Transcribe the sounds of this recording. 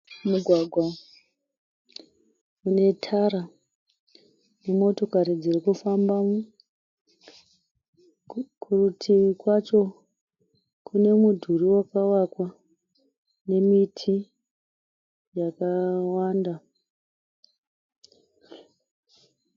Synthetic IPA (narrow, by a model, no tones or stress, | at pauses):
muɡʱwaɡʱwa | une̞tʰaɾa | nemo̞to̞kaɾid͡zirikufambam | kurutʰiikwat͡ʃo̞ | kune̞mudʱuriwakawakwa | ne̞mitʰi | jakawaːnda